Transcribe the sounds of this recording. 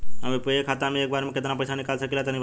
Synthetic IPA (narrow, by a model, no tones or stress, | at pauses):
ɦəmepəekʰat̪amẽeːk̚baɾmẽket̪napəjsanikalsəkilat̪ənĩ